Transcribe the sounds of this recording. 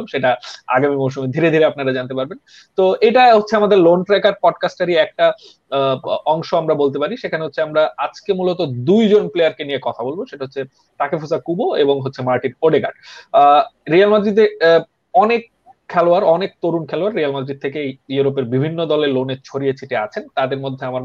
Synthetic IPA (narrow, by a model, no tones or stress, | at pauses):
mʃeʈaa̰ɡamimowʃumed̪ʱiɾed̪ʱiɾeapnaɾad͡ʑant̪epaɾben | t̪oeʈaɦotːɕʰeamad̪eɾlonʈɾajkaɖ̚pɔɖkasʈaɾiɛk̚ʈa | ɔŋʃoamɾabolt̪̬epaɾiʃekʰaneɦotːɕʰeamɾaad͡ʑkemulot̪od̪ujd͡ʑonplejaɾkenijekɔt̪ʰabolboʃeʈaɦotːɕʰe | ʈakefusakuboeboŋɦotːɕʰemaɾʈinoɖeɡaɾɖ | ɾialmad̪ɾid̪e | ɔnek̚ʰː | ɛloaɾɔnek̚t̪oɾunkʰɛloaɾːijalmad̪ɾid̪̚t̪ʰekejuɾop̬eɾbibʱinːod̪ɔleloneɾt͡ɕʰoɾiet͡ɕʰiʈea̰t͡ɕʰent̪ad̪eɾmod̪ʱːeama